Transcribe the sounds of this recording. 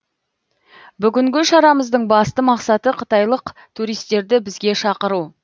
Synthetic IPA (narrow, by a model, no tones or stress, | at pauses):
bʏɡʲɪŋɡʲɪʃɑɾɑməzd̪əɴbɑst̪əmɑqsɑt̪əqʰət̪ɑjlˠəqt̪ʰuɾijst̪e̞ɾd̪ɪbɪzɡʲe̞ʃɑqəɾu